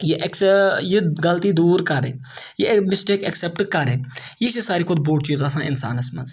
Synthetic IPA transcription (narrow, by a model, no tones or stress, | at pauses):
jiʔɐkjiɡɐlt̪iːd̪uːɾkɐɾḛːjimɪsʈeːkɐksɛp̚ʈkɐɾeːjiʃisaːɾiːkʰʊd̪boːʈt͡ʃiːzaːsãːʔɪnsa̰ːnɐsmɐ̰nz